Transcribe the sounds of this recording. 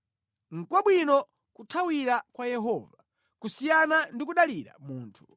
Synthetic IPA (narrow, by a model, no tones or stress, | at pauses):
ŋ̩kwaɓwinɔ | kutʰawiɾakwajɛɦɔva | kusijanandikuɗaliɾa̰muːntʰu̥